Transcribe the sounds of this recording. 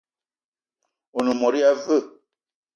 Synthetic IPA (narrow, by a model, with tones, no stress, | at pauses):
o˨nə˨mɔ˨ɾi˦a˦və˦˨